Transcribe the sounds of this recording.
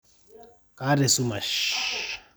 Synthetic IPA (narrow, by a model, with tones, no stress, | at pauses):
ka˦ɾɛ˨su˦ma˨ʃ